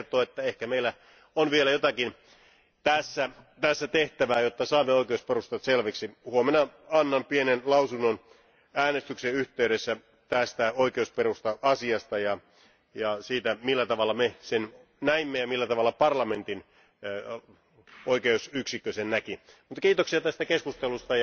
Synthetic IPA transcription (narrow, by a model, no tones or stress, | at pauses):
rt̪oːet̪ːæehkæmeilːæ | onʋielæjot̪ɑkin | t̪æsːæt̪æsːæt̪eht̪æʋæːjot̪ːɑsɑːmːeoikeusperust̪ɑt̪selʋeksihuomenɑɑnːɑnpienenlɑusunːon | æːnest̪ykseyht̪eyɾesːæ | t̪æst̪æoikeusperust̪ɑɑsiɑst̪ɑjɑ | jɑsiːt̪æmilːæt̪ɑʋɑlːˑɑmesen | næimːejɑmilːæt̪ɑʋɑlːɑpɑrlɑment̪in | oikeusyksikːøsennæki | mut̪ːɑkiːt̪oksiɑt̪æst̪ækeskust̪elust̪ɑjɑ